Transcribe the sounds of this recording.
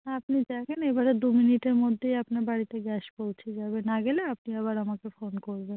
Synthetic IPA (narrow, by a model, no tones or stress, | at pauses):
apnid̪ɛkʰenebaɾed̪uminiʈeɾmod̪ʱːejapnaɾbaɾit̪eɡɛʃpowt͡ɕʰed͡ʑaβenaɡeleap̚niaβaɾamakefonkoɾben